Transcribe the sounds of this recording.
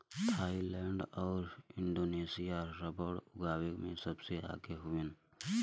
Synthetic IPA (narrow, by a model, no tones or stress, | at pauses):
t̪ʰaːilɛːɳɖɔːɾɪɳɖoːneːsijaɾɐbəɽʊɡaːwɪkmẽsɐbsea̰ːɡeɦʊen